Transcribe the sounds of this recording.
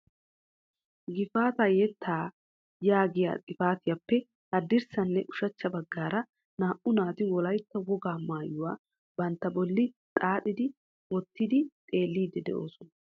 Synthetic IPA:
ɡɪfaːt̪ɐjɛt̪ʰːaː | jaːɡɪja̰ːt͡sʼɪfaːt̪ɪjɐpːɛ | ɐd̪ːɪɾsɐnːɛʔʊʃɐt͡ʃːɐbɐɡːaːɾɐ | naːʔʊnaːt̪ɪwɔlɐjt̪ːɐwɔɡaːmaːjʊwaː | bɐnt̪ːɐbɔlːɪt̪ʼaːɗɪd̪ɪ | wɔt̪ːɪd̪ɪt̪ʼe̞ːlːiːd̪ːɛd̪ɛ̰ʔo̞̰ːsɔnɐ

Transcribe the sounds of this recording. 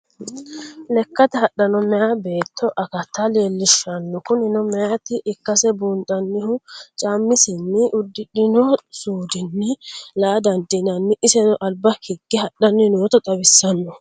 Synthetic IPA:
lɛkːɐt̪ɛhɐɗːɐnɔmɛjabe̞ːt̪ʰːɔʔɐkɐt̪ːɐleːlːɪʃːɐnːɔkʊnɪnɔmɛjɐt̪ɪʔɪkːɐsɛbuːnt̪ʼːɐnːɪhʊt͡ʃʼaːmːɪsɪnːɪʔʊd̪ːɪᶑɪnɔsuːd̪ɪnːɪlaːd̪ɐnd̪ɪnɐnːɪʔɪsɛnɔʔɐlbɐhɪɡːɪhɐɗːɐnːɪnoːt̪ɔt̪ʼɐbɪsːɐnːɔ

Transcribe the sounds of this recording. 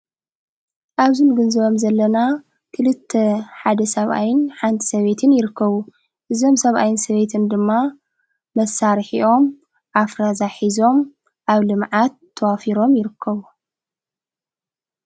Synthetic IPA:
ʔaβzɨnɡɨnzɨβo̞mzɐlːɐna | kʰɨlɨt̪ʰːeħad̪ɐsɐβʔa̰jɪnħant̪ʰi̥sɐβe̞t̪ʰɨnjɪɾɨkʰːɐβu | ʔɨzo̞msɐβʔajɪnsɐβe̞t̪ʰɨnd̪ɨmːaː | ɐsaɾħiʔo̞m | ʔafɾazaħizo̞m | ʔaβlɨmʕat̪ʰːɐwafiɾo̞mjɪɾɨkʰːɐβu

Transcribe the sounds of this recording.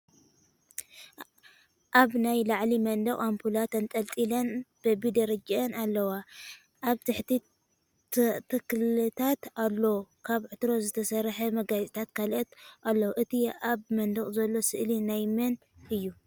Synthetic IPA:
ʔaβnajlaʕlimɐnd̪ɐχʼampʰulat̪ɐnt̪ʼɐlt̪ʼilɐnb̥ɐbid̪ɐɾɐd͡ʒɐnalːɐwa | ʔaβt̪ʰɨħt̪ʰi | t̪ʰɨkllɨt̪ʰat̪alːo̞kʰaβʕɨt̪ɾo̞zɨt̪ʰɐsɐɾħɐmɐɡajt͡sʼit̪ʰat̪kʰalʔɐt̪ʔalːɐwʔɨt̪ʰiaβmɐnd̪ɐχʼzɐlːo̞sɨʔlinajmɐn | ʔɨjːu

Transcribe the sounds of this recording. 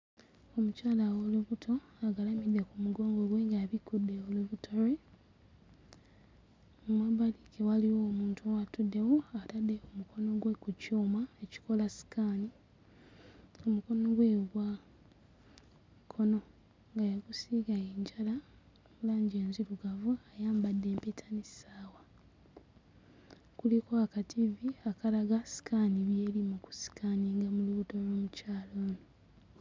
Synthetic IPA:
omucaːlawoluβutʰo̞aɡalamidːe̞kumuɡo̞ːŋɡo̞ɡwe̞ːŋɡaβikudːe̞oluβutʰoɾe | umwaβalikewaliwoːmuːntuwatudːe̞woatadekumuko̞no̞ɡwekucuːmaeci̥ko̞lasi̥kani | o̞muko̞no̞ɡwe̞ɡwa | kʰo̞no̞ | ŋɡajaɡusiːɡajeːɲɟala | mulaːɲɟeːnziɾuɡavuajaːmbadːe̞ːmpetʰanissaːwa | kulikoakatʰiviakalaɡasi̥kʰaːniβjeːlimuku̥si̥kʰaniŋɡamuluβutoloːmucaːloːno

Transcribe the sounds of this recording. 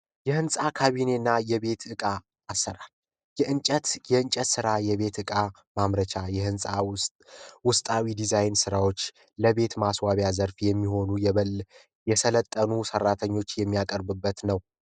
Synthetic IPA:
jɛhɨnsʼakʰaβine̞nːajɛβe̞t̪ɨkʼaː | sːəɾal | jɛʔɨnt͡ʃʼət̪jɛɨnt͡ʃʼət̪sɨɾajɛβe̞t̪ɨkʼa | mamɾət͡ʃʰajɛhɨnsʼa | wʊst̪ʼawid̪izajnsɨɾawo̞t͡ʃː | ləβe̞t̪maswaβjazəɾfjɛmːiho̞nujɛβəl | jɛsʰələt̪ʼːənusərːat̪ʰəɲːo̞t͡ʃːjɛmːijakʼəɾbɨbːət̪nəw

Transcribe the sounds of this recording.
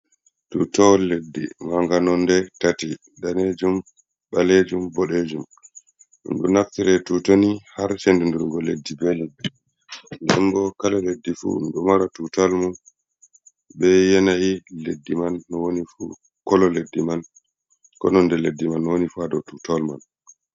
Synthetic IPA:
tutɔwlːedːḭmaŋɡanɔndɛtati | daned͡ʒum | ɓaled͡ʒumbɔɗed͡ʒum | ṵnɗṵnaftiɾɛtutonihaɾt͡ʃendunduɾŋɡɔledːibeli | ndɛŋɡɔkalaledːifṵnɗumaɾatutalmu | bɛjɛnahiledːimanːɔwonifu | kɔlɔledːiman | kɔ̰nɔndɛledːimanːɔwonifuadɔtutalman

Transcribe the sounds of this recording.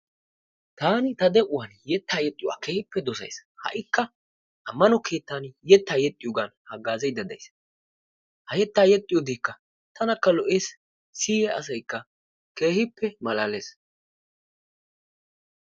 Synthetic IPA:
t̪aːnɪt̪ɐd̪ɛʔʊwanjɛt̪ːaːjɛt̪ʼːɪwa̰ːkeːhɪpːɛd̪ɔsɐ̰jshɐ̰ʔɪkːɐ | ʔɐmːɐnɔkʰe̞ːt̪ːaːnjɛt̪ːaːjɛt̪ʼːɪjɔɡanhɐɡaːzɛjd̪ɐd̪ɐ̰js | hɐjɛt̪ːaːjɛt̪ʼːɪjɔd̪eːkːɐ | t̪ɐnɐkːɐlɔʔeːs | siːjɛɐ̰sɐjkːɐ | ke̞ːhɪpːɛmɐlaːleːs

